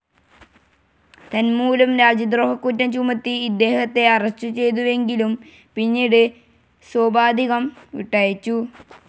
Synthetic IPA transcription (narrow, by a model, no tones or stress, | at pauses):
t̪ɐnmuːlɐmɾaːd͡ʑjɐd̪roːɦɐkːutːɐmt͡ɕumɐt̪ːiːd̪ːe̞ːhɐt̪ːe̞ɐrɐɕt͡ɕːut͡ɕe̞jt̪̬uʋe̞ŋɡilum | pinːiːɽɨ | swoːbaːd̪ʱiɣɐmʋḭʈːaːjit͡ɕːu